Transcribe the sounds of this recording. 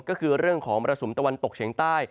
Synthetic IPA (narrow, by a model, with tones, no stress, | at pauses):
kɔː˥˩kʰɯː˧ɾɯ˥˩əŋkʰɔː˩˦ŋpɾa˧so˩˦mt̪a˧wa˧nt̪o˨˩k̚t͡ɕʰi˩˦ŋt̪aː˥˩j